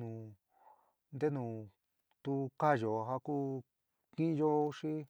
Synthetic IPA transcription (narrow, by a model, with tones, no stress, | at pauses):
ũ˨ | nd̪e˦nũː˨ | t̪u˧ka˦˨jo˨ɦa˧ku˦ | kĩ˦ʔjo˦ʂi˦